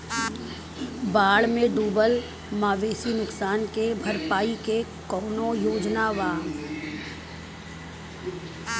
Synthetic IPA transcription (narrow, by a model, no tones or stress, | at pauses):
baːɽmẽɖuːbəl | maːʋeːsinʊksaːnkebʱɐɾpaːikekɔːnojoːd͡ʒnaʋaː